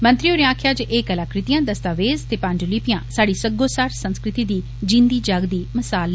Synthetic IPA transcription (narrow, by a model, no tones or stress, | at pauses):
mə̃nt̪ɾioːɾeãːkʰjaːd͡ʒʔeːkəlaːkɾɪt̪ijãːd̪əst̪aːʋeːzt̪eːpãɲd͡ʒlipɪjãːsaːɽiːsəɡoːsaːɾsə̃nskɾɪt̪iːd̪iː | d͡ʒɪ̃nd̪iːd͡ʒaːɡd̪iːməsaːl